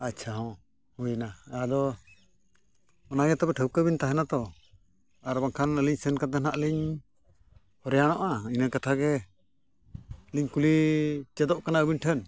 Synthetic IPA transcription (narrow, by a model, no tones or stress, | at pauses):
at͡ʃʰaɦɔ̃ | hujnaad̪ɔ | ɔnaɡɛt̪ɔbɛʈʰəwkəbint̪aɦɛnat̪ɔ | aɾbaŋkʰanəliɲsɛnkat̪ənaʔliɲ | hɔɾɛjanɔʔainəkat̪ʰaɡɛ | liɲkulit͡ʃɛd̪ɔʔkanaəbinʈʰən